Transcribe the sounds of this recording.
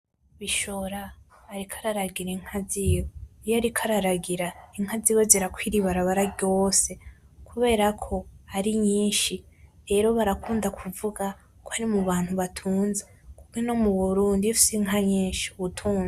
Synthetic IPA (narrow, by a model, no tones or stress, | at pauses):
βiʃo̞ɾaː | ɾikʰḁɾaɾaɡiɾaiŋ̥haziːweijoaɾikʰaɾaɾaɡiɾaiŋhaziːweziɾakwiːɾiβaɾaβaɾaɟo̞ːse̞ | kuβe̞ːɾakʰo̞aɾiɲiːnʃi | ɾe̞ːɾo̞βaɾakʰuːndakʰuvuɡa | kʰohaɾimuβaːn̥huβatʰuːnze | kubɡeno̞muβuɾuːndiufi̥siŋɦaɲiːnʃi̥uβutʰuːne